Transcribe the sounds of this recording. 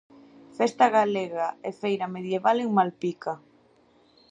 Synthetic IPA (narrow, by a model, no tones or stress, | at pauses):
fest̪aɣaleɣaefejɾameðjeβaleŋmalpika